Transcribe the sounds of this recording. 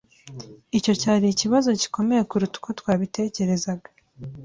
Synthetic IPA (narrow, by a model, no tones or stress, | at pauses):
ico̞caːɾiːciβazo̞ci̥ko̞me̞je̞kuɾutu̥ko̞twaːβite̞ːce̞ɾe̞zaɡa